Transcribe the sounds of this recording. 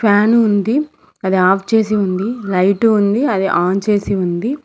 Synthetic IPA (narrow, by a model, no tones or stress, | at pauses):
paːnuund̪i | ɐd̪iaːpʰt͡ʃe̞ːsiund̪ilɐjʈuund̪iɐd̪iʔaːnt͡ʃe̞ːsiund̪i